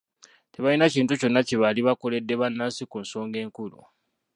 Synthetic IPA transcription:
te̞βajinaciːntuco̞nːaceβaliβako̞le̞dːe̞βanːaːsikunso̞ːŋɡe̞ːŋkulṵ

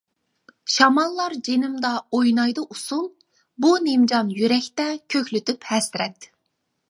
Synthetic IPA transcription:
ʃɑmɑlˠːɑɾd͡ʒenɪmd̪ɑojnɑjd̪ɨʔusum | bunemd͡ʒɑnjyɾɛkʲt̪ɛkʲʰøkʲlyt̪ʰyphɛsɾɛt̪

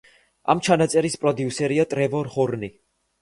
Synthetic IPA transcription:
a̰mt͡ʃʰanat̪sʼɛɾispʼɾɔd̪iusɛɾiat̪ʼɾɛvɔɾχɔɾni

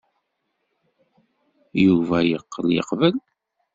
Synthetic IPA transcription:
juvæjəqːəljə̰qːvəl

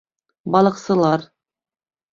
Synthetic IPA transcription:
bɑlˠɤ̆qsɤ̆lˠɑɾ

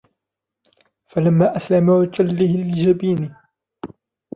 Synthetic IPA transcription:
falamːaːʔaslamaad͡ʒalːɪhɪlɪd͡ʒabiːnɪ

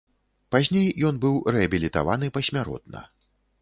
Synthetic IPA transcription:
pazʲnʲejːɔnbɨwɾɛɐbʲilʲit̪a̰vanɨpɐsʲmʲaɾɔ̰t̪̚nɐ̰

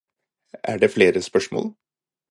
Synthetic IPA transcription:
æɖeːfleːɾəspœʂmo̰ːl

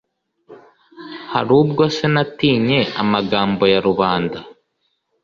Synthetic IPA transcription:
haɾuːb̚ɡosenatiːɲe̞amaɡaːmbo̞jaɾuβaːnda

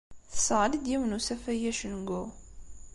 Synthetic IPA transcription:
θə̥səʁlid̪jiwnusæfæjæʃənɡʊ

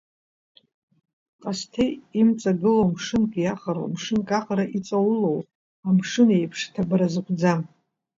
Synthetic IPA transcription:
qʼastʰejimt͡sʼaɡɨlowmʂɨnkʼjaχaɾo̰mʂɨnkʼaχaɾaʔit͡sʼawulow | amʂɨnejpʰʂtʰabaɾazɨkʷʰd͡zam

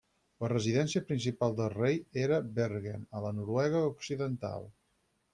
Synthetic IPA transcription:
lərəziðɛnsiəpɾinsipalˠd̪əlˠrejeɾəbeɾɣenələnuɾwɛɣ̞əuksiðənt̪a̰lˠ

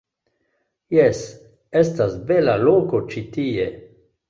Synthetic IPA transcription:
jes | estasbelalokot͡ʃitie

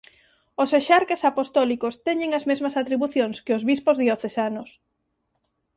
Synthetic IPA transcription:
oseʃaɾkesapost̪ɔlikost̪ɛɲɪŋɐzmezmɐsat̪ɾiβuθjoŋskeozβispozðjoθesanos

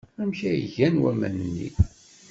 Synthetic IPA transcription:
æmçæjʝænwæmæ̰nənːḭ

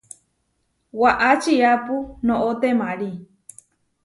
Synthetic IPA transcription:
waʔat͡ʃiapunõʔot̪emaɾi

